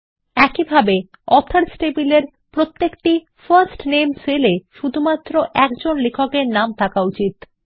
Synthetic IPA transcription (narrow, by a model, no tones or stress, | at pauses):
ɛkibʱabe | ɔt̪ʰaɾsʈepileɾ | pɾot̪ːekʈi | faɾsʈnemseleʃud̪ʱumat̪ːɾoʔɛkd͡ʑonlekʰokeɾnamt̪ʰakaut͡ɕit̪